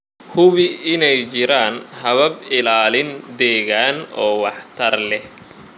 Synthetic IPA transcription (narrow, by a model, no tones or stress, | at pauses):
hʊβɪɪnɛjt͡ʃɪɾaːnhɐβɐbɪlaːlɪnd̪ɛːɣaːnɔːwɑħt̪ʰɐrlɛh